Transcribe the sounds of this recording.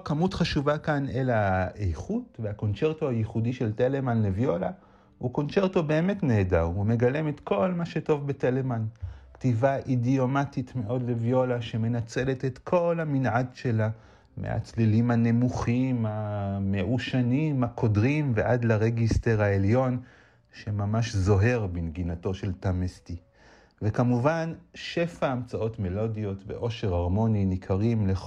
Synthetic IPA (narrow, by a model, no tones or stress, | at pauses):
okamutχaʃuvakanelaejχutveako̞nt͡se̞ʁtoajiχudiʃe̞ltele̞manlevjo̞la | uko̞nt͡ʃe̞ʁto̞be̞ːmetneːdawume̞ɡaleme̞t̪kʰo̞lmaʃe̞to̞vbetelemanktivaʔidio̞matitme̞ʔo̞dlevjo̞laʃe̞me̞nat͡se̞le̞tetkʰo̞lhaminʕadʃe̞la | mḛa̰t͡slilimhane̞muχimhame̞ʔuʃanimhakʰo̞dʁimveʔadlaʁeɡiste̞ʁaeljo̞n | ʃe̞mamaʃzo̞ɦe̞ʁbinɡinato̞ʃe̞ltamesti | vekamuvanʃe̞faːmt͡sao̞tme̞lo̞dijo̞tve̞̰ʔo̞ʃe̞ʁaʁmo̞ninikʰaʁimle